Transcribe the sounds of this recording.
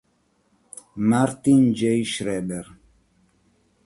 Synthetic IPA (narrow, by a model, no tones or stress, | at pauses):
maɾt̪ind͡ʒejʃɾɛːbɛɾ